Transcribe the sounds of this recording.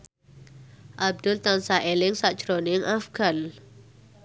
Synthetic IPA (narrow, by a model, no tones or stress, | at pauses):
ʔab̚d̪ʊlt̪ansaʔelɪŋsaʔd͡ʒɾonɪŋʔafɡ̥an